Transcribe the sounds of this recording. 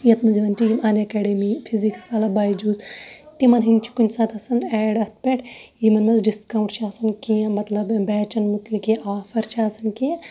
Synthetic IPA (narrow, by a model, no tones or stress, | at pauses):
jɐt̪mɐziʋɐnt͡ʃijimɐnɐkɛːɖemipʰiziksʋaːlɐbaːjd͡ʒuːzt̪imɐnɦint͡ʃʰi̥kunʲsɐt̪ɐsɐnɛːɖɐt̪̚ʰpeʈʰjimɐnmɐzɖiskaːwɳʈt͡ʃʰiɐsɐnkijɐ̃mɐt̪lɐbbɛːt͡ʃɐnmut̪likeaːfɐɾt͡ʃʰiɐsɐnkijẽ